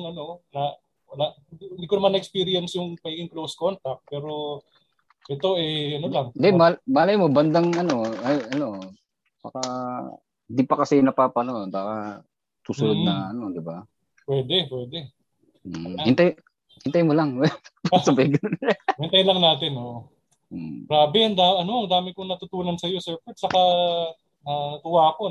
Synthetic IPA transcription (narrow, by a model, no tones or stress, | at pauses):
ŋɐno̞nɐ | wɐlaɪnd̪ikoɐmanɐʔkspiɾɪɛnsjʊŋmɐɡiɡɪŋklowskont̪ɐk̚t̪̚pɛːɾo̞ | ʔɛt̪o̞ʔɛɐnolaŋnd̪ɛmɐlmɐʔaːlɐjmobɐnd̪ɐŋɐno̞ɐʔɐno̞ | baka | ɪnd̪ipɐkɐsɛnɐpapɐnoʔnbaːkɐ | suːsʊlod̪̚nɐɐno̞d̪ɪba | pwɛːd̪ɛpwɛːd̪ɛ | hɪnt̪aj | hɪnt̪ajmolaŋwpɐsbɐjɡɐnnhɪnt̪ɐjlɐŋnaːt̪ɪnoʔ̩ | ɡɾaːbɪɐnd̪aːʔɐnomɐŋd̪aːmɪkonɐt̪ʊt̪uːnɐnsɐjo̞sɛɹpɛd̪̚sɐka | ɐɡʊwaːko